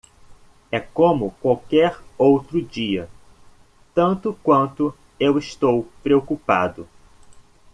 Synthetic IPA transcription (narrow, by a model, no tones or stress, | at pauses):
ɛkõmʊkwawkɛɾowt̪ɾʊd͡ʒiɐ | t̪ɐ̃nt̪ʊkwɐ̃nt̪ʊ | ewɪst̪owpɾeokupa̰d̪ʊ